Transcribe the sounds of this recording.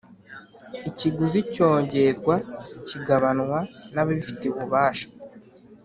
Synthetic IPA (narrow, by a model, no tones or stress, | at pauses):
iciɡuzico̞ːɲɟe̞ɾɡwaciɡaβanŋwanaβifi̥tiβuβaːʃḁ